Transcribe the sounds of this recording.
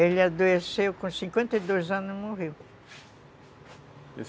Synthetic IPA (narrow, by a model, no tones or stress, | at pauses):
elɪad̪oesewkõsĩkwẽnt̪ɐjd̪ojzɐ̃nʊzmoʁiw